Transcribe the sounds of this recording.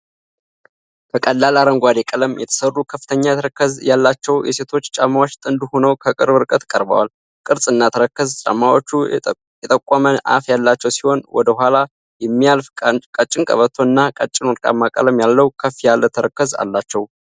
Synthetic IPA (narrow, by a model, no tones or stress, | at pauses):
kʰəkʼəlːalaɾəŋɡʷad̪ekʼələmjɛ̰t̪ʰə̥sərːukʰəfːɨt̪ʰəɲːajt̪ʰəɾəkːəzjalːat͡ʃːɛwjɛ̰se̞t̪ʰo̞t͡ʃːt͡ʃʼamːawot͡ʃːt̪ʼɨnd̪uho̞nəwkʰəkʼɨɾbɨɾkʼət̪kʼəɾbə̰wa̰l | kʼɨɾsʼɨnːat̪ʰəɾəkːəzt͡ʃʼa̰mːawot͡ʃːu | jɛt̪ʼəkʼːaməʔa̰fjalːat͡ʃːɛwsiho̞nwɔ̰d̪əɦʷala | jɛmːialfʼkʼət͡ʃʼːɪŋkʼə̰βət̪ʰːoɨnːakʼət͡ʃʼɪnɔɾkʼa̰mːakʼə̰ləmjalːəwkʰəfijalːət̪ʰəɾəkːəza̰lːat͡ʃːɛw